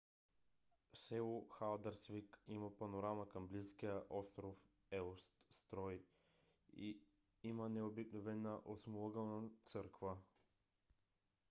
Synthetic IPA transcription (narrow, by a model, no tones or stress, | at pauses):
sɛuxalˠd̪aɾsvikimapanoɾamakɐmbliskijəʔɔst̪ɾof | ɛlst̪st̪ɾɔj | ḭ | imanɛobiknovɛnaʔosmulˠɔɡalˠnat̪səɾkva